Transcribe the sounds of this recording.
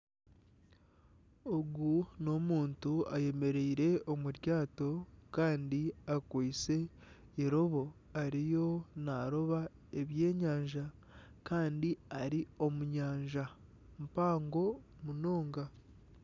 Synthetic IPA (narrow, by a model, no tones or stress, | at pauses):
oɡuno̞muːntuaje̞me̞ɾeiɾe̞o̞muɾjaːto̞kaːndiakwit͡se̞ | iɾo̞βo̞ | aɾijo̞naɾo̞βa | e̞βje̞ːɲaːɲʒa | kaːndiaɾio̞muɲaːɲʒa | mpaːŋɡo̞ | muno̞ːŋɡa